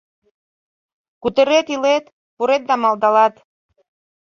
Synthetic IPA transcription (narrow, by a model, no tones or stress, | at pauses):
kut̪eɾet̪ilet̪ | puɾet̪̚d̪ɑmɑld̪ɑlɑt̪